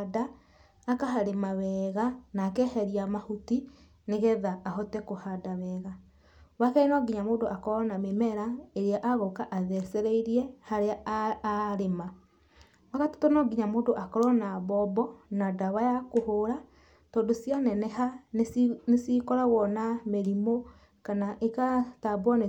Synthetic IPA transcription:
daː | kaɦaɾemawɛːɣanakɛhɛɾiamahuti | neɣɛðaːɦɔtɛkohadawɛːɣa | wakainɔɡiɲamoːdoʔakɔɾɔnamemɛɾaeɾeaʔaɣɔkaʔaðɛsɛɾeiɾiɛhaɾea | ɾema | wakato̥tonɔɡiɲamoːndoʔakɔɾɔnaβɔbɔnadaβajakohoɾa | tɔːndosianɛnɛhannesikɔɾaɣɔnameɾimo | kanaʔekatabwɔne

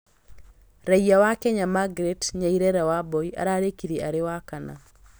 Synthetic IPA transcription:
ɾaiawakɛɲamaɡɾetɲaiɾɛɾawabɔiʔa̰ɾaɾekiðiaɾewakana̰

